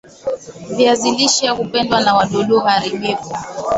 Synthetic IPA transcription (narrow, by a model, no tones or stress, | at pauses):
viaziliʃiakupɛndwanawaɗɔɗuɔhaɾiɓɛka